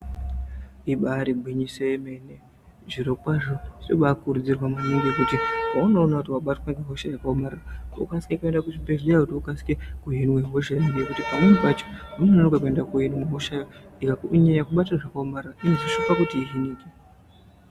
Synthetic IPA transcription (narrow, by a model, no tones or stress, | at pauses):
iɓaɾibʱwiɲiseːme̞ne | ʐiɾokwaʐoʐioɓakkurud͡zirwamuniŋɡekutiauno̞ːnautiwaɓatwaɡaɦoʃajakaomararaṵkasi̥kekue̞ndakuʐimpeʐiɗaakutiukasi̥kekuɦinweɦoʃajmiɡjekutipamwenpat͡ʃo̥unoonikwakue̞ndakujinweɦoʃajoikaiɲajakuɓatiraʐakaomarraʔinoziʃopakutiiɦiniːke